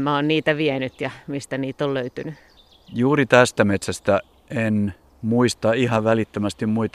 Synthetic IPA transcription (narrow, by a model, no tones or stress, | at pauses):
mæoːnniːt̪æʋiɛnyt̪jɑmist̪æniːt̪olløyt̪yny | juːrit̪æst̪æmet̪sæst̪æ | en | muist̪ɑihɑʋʋælit̪ːømæst̪immuit̪